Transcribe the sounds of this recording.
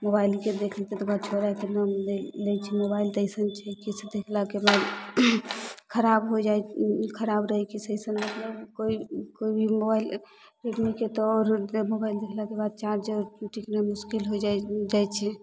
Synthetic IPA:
mobailked̪ekʰəlt̪ɛt̪ɔbad̪̚t͡ʃʰoɾakenamlelɛt͡ʃʰɛmobaild̪əjsənt͡ʃʰɛkisd̪ekʰlakebad̪ | kʰəɾabɦod͡ʒajkʰəɾabɾəɦɛkisəjsənmət̪ləbkoikoibʱimobail | ɾeɖmiket̪ɔɔɾmobaild̪ekʰlakebad̪̚t͡ʃaɾd͡ʒeɾʈiknemuskilɦod͡ʒad͡ʒajt͡ʃʰɛ

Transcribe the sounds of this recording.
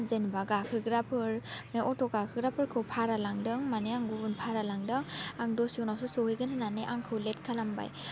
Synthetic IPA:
zenbaɡakʰɯɡɾapʰɯɾneʔɔtɔɡakʰɯɡɾapʰɯɾkʰɯwpʰaɾalaŋdɯŋmaneaŋɡubunpʰaɾalaŋdɯŋaŋdɔsownasusohɯjɡɯnananeʔaŋkʰɯwlet̚kʰalamba̰j

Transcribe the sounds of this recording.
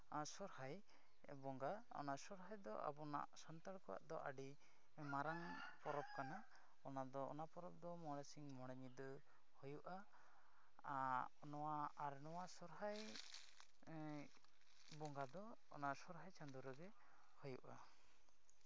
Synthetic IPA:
sɔɾhaj | bɔŋɡa | ɔ̰naʔsɔɾɦajd̪ɔ̰ʔa̰bɔna̰ʔsant̪aɽkɔwa̰ʔd̪ɔʔaɖi | maɾaŋ | pɔɾɔp̚kana | ɔnad̪ɔɔ̰napɔɾɔp̚d̪ɔmɔɽ̃ɛsiŋmɔɽ̃ɛɲid̪ɔ | hujuʔa | nɔwaaɾnɔwasɔɾɦaj | bɔŋɡad̪ɔ̰ː | naʔsɔɾɦajt͡ʃand̪uɾɔɡɛ | hujuʔa

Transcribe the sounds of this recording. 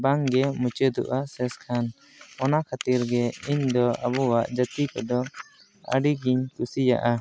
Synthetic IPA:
baŋɡɛmut͡ʃəd̪ṵʔasɛskʰan | ɔnakʰat̪iɾɡɛiɲd̪ɔabɔwaʔd͡ʒət̪ikɔd̪ɔ | ə̰ɖiɡiɲt̪usija̰ʔa

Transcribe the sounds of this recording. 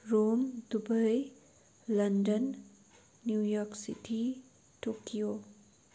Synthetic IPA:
ɾomdubəj | lɐndənː | jujɔɾksiʈʰi | ʈokijo

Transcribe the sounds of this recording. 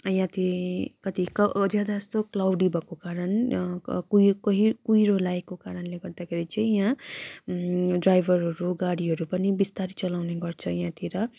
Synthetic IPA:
jãt̪ikʌt̪ikʌd͡zjad̪aʌst̪oklawɖibʌkokaɾʌn | kukʌɦikuiɾolaekokaɾʌnleɡʌrd̪akʰeɾit͡sʌĩjã | ɖrajbʱʌɾɦʌɾuɡaɽiɦʌɾupʌnibist̪aɾit͡sʌlawneɡʌrt͡sʰʌjãt̪ʰiɾʌ

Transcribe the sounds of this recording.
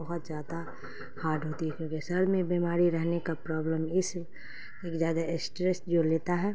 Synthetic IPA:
ɐɦʊt̪zjaːd̪a | haːɾɖɦoːt̪iɦɛkjõːkisəɾmẽbimaːɾiɾɛɦnekapɾɔːbləmɪs | eːkzjaːd̪aɪsʈɾesd͡ʒoleːt̪aɦɛː

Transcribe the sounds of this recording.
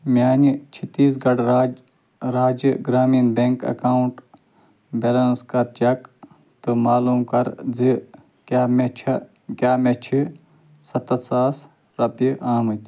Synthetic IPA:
mʲjaːnit͡ʃʰit̪iːs̬ɡɐɽ | ɾaːd͡ʒiɡɾaːminbeŋkɐ̰kauɳʈ | belɐnskɐɾt͡ʃɐk | t̪ɨmaːluːmkɐɾzi | kaːmet͡ʃʰɐ | kʲaːmet͡ʃʰi | sɐt̪ɐsaːs | ɾɐpiʔaːmɨt̪

